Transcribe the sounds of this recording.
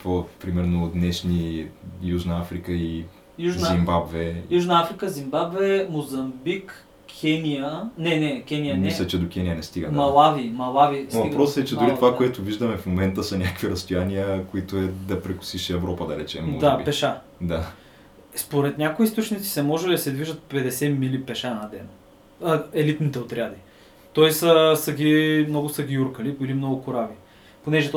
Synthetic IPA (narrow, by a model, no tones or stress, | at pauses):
popɾimɛɾnod̪nɛʃnijuʒnɐafɾikəi | juʒzzimbabvɛjuʒnɐafɾikəzimbabvɛmozɐmbikːʰ | ɛniənɛnɛkʲɛnijəmislʲɐt͡ʃɛd̪okʲɛnijənɛst̪iɡə̰d̪mɐlˠavimɐlˠavivɐpɾɔsɛt͡ʃɛd̪ʊɾit̪ovakoɛt̪ʊviʒd̪əmɛfmomɛnt̪əsɐnʲakviɾɐst̪ojaniəkoit̪oɛd̪ɐpɾɛkʊ̥siʃiɛvɾɔpɐd̪ɐɾɛt͡ʃɛmːɔ̰d̪aɛbipɛʃa | d̪a | spoɾɛt̪nʲakoiist̪ot͡ʃnit̪si̥sɛmɔʒɛlɛd̪ɐsɛd̪viʒət̪̚pɛd̪ɛsɛmilipɛʃanɐd̪ɛnɐ | əɛlit̪nit̪ɛot̪ɾʲad̪i | t̪oisəsɐɡʲimnoɡʊsɐɡʲiuɾkəliilimnoɡʊkʊɾavi | ponɛʒɛt̪